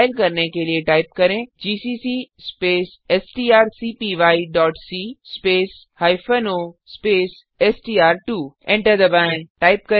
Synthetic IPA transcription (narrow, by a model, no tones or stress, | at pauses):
alkɐɾnekelieʈaːɪp̚kɐɾẽd͡ʑiːsiːsispeːs | esʈiːaːɾsipiʋaːiɖɔːʈsispeːs | haːifənospeːs | esʈiːaːɾʈuːẽɳʈəɾd̪ɐbãʈaːɪp̚kɐ